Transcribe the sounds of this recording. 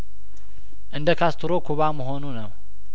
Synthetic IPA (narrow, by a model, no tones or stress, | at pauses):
ʔɨnd̪əkʰast̪ʰɨɾokʰuβamɨɦonunɐw